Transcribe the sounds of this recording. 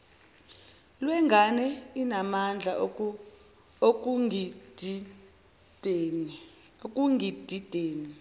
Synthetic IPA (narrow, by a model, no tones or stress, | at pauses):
lwɛŋɡʱanɛinamand͡ɮʱa | okʼ | ok̬ʼuŋid̥ʱid̥ʱeːni